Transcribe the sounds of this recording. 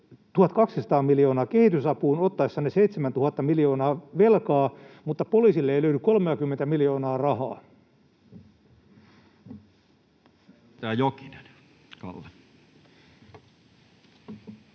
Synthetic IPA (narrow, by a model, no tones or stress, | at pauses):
t̪uhɑt̪kɑksisɑt̪ɑːmiljo̞ːnɑːkehit̪ysɑpuːnot̪ːɑesːɑneseit̪semænt̪uhɑt̪ːɑmiljo̞ːnɑːʋelkɑːmut̪ːɑpoliːsilːeeiløydykolmeɑkymːent̪æmiljo̞ːnɑːrɑhɑ̰ː | t̪æːjoki̥nen | kɑ̰lːe